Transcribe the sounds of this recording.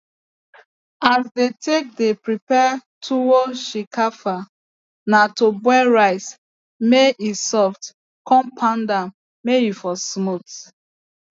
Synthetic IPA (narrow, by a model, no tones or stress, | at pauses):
asdetʰek̚depɹipɛtʰuwoʃikʰafa | natobwɛɹaɪs | meisɔft | kɔ̃mpʰãndam | mejifɔsmut